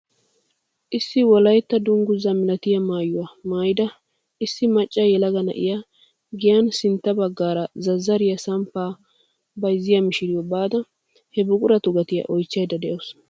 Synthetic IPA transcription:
ʔɪsːɪwɔlɐjt̪ːɐd̪ʊŋɡʊzɐmɪlɐt̪ɪjɐmaːjʊwamaːjɪd̪ɐ | ɪsːɪmɐt͡ʃʼːɐjɛlɐɡɐnɐ̰ʔɪ̰ja | ɡɪjɐnsɪnt̪ːɐbɐɡːaːɾɐzɐzːɐɾɪjɐsɐmpːaː | bɐjzːɪjɐmɪʃɪɾɪjɔbaːd̪ɐ | hɛbʊkʼʊɾɐt̪ʊɡɐt̪ɪjɐ̰ʔɔjt͡ʃːɐjd̪ɐd̪ɛʔɔs

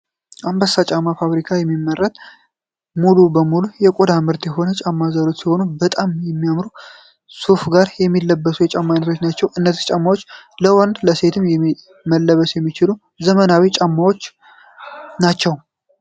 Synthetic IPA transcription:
ʔambəsat͡ʃʼamːafaβɾikʰajɛmːimːərːət̪ʼ | mulubəmulujɛkʷʼod̪amɨɾt̪jɛɦo̞nət͡ʃʼamːazalo̞t͡ʃːsiho̞nubət̪ʼamjɛmːijamɾu | sufɡaɾjɛmːilːəbːəsujɛt͡ʃʼamːanːət̪ʰot͡ʃːnat͡ʃːɛwʔɨnːət̪ʰə̥t͡ʃʼamːawo̞t͡ʃːləwɔnd̪ləse̞t̪ʰɨmjɛ | məlːəβəsjɛmːit͡ʃɪlu | zəmənawit͡ʃʼamːawo̞t͡ʃː | nat͡ʃːɛw

